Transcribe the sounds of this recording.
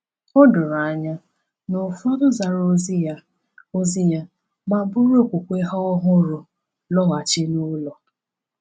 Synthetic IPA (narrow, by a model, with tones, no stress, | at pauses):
ʊ˦dʊ˨ɾa˨ɲa˦ | nʊ˨fa˦dʊ˦za˨ɾo˦˨ | o˦zi˦ja˦ | ma˦bʊ˦ɾo˦kʷu˨kʷe˦ɦa˦ɔ˦ɦʊ˦ɾʊ˨ | lɔ˦ɣa˨t͡ʃɪ˦nu˦lɔ˨